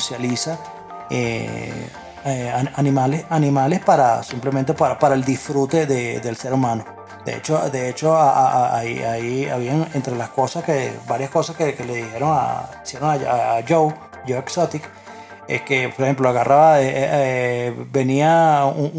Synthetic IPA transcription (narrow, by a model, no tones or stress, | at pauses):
sjalisa | e | eaanĩmalesanĩmale̞spaɾasimple̞mẽnt̪̬e̞paɾapaɾaeld̪isfɾut̪e̞ðeðe̞lse̞ɾumãno̞ | d̪̥ḛḛt͡ʃod̪e̞et͡ʃo̞aaaiaia̰βiaŋent̪ɾe̞lasko̞saskebaɾjasko̞saskekeleðihe̞ɾo̞ŋa̰isje̞ɾoŋaaːd͡ʒow | d͡ʒoweksot̪ik | ekepoɾehe̞mploaɣarʔaβaee | be̞nia